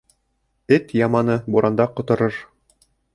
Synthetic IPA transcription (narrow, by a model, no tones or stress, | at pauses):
ɘt̪jɑmɑnɤbuɾʔɑnd̪ɑqŏt̪ŏɾɤɾ